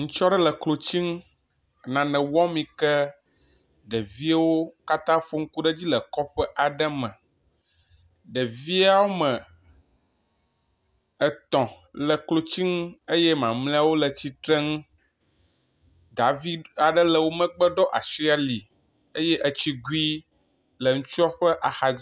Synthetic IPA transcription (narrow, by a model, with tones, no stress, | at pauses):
ŋũ˦t͡ʃɔ˦ɖə˦lə˨klo˨t͡ɕi˦ŋ˦ | nã˨nɛ̃˨wɔ̃˦mĩ˨kɛ˦ | ɖə˨vi˦a˦wo˦ka˦t̪ã˦fo˦ŋ̩˦ku˦ɖə˦d͡ʑi˦lə˨kɔ˦ɸɛ˦ʔa˨ɖə˦mə̃˨ | ɖə˨vi˦a˦wo˦mə̃˨ | ə˨t̪ɔ̃˨ | lə˨klo˦t͡ɕi˦ŋ̩˦e˦jɛ˦mã˨mlẽ˦a˦wo˦lə˨t͡ɕi˦t̪ɾɛ˦ŋũ˦ | d̪a˨vi˦a˨ɖə˦lə˨wo˦mə̃˦ɡ͡bə˦ɖɔ˦ʔa̰˨ʃi˦a˦li˨ | e˦jɛ˦ʔə˨t͡ɕi˦ɡu˦i˦ | lə˨ŋũ˦t͡ʃu˦a˦ɸə˦ʔa˨xa˨